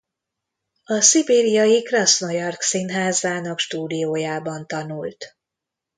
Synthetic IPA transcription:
ɒsibeːɾijɒjikrɒsnojɒrksinɦaːzaːnɒkʃt̪uːd̪ijoːjaːbɒnt̪ɒnult̪

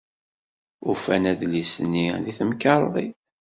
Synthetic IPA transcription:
ʊfænæðlisənːiðiθəmkɑɾˤðˤḭθ

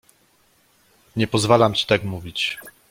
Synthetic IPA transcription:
ɲɛpɔzvalamt͡ɕi̥t̪akmuvʲit͡ɕ

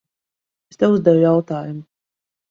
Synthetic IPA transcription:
est̪ɛwuzd̪ɛvjawt̪aːjumʊ

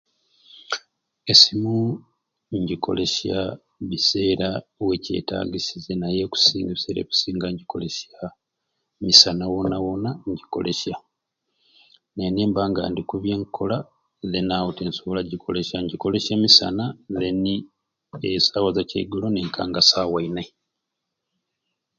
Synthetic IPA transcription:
e̞simu | ɲɟikʰo̞̰le̞sa | βise̞ːɾawe̞ce̞̰ːta̰ːɡisizenajeku̥siːŋɡeβise̞ːɾḛβi̥siːŋɡaɲɟiko̞le̞sja | misanawonawonaɲɟiko̞̰le̞ʃa | neneːmbaːŋɡa̰ːndikuβjeːŋkʰo̞la | zenawoteːnsoβolaɟikʰo̞̰leʃaɲɟiko̞le̞ʃeːmisa̰naðeni | esaːwazacḛɡuloneŋkʰa̰ːŋɡasaːwaine

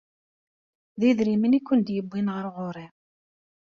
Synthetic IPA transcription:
ðiðɾimənikʷːənd̪jəbːinʁəɾʁʊɾˤi

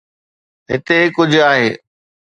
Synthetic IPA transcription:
ɦɪ̰t̪ekʊd͡ʑʱʊaːɦeː

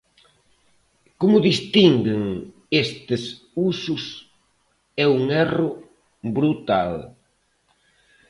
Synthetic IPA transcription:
komʊðist̪iŋɡɪŋ | est̪ɪs | usʊs | ɛuŋɛrʊ | bɾut̪al

